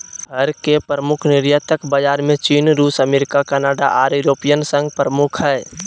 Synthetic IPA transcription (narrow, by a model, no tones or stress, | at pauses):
ɦəɾkepɾəmʊkʰnɪɾjaːt̪əkbad͡ʒaːɾmẽt͡ʃiːnɾuːsəmeːɾɪkakɛːnaːɖa̰ʔaːɾjʊɾoːpijənsə̃ŋɡpɾəmʊkʰɦɛː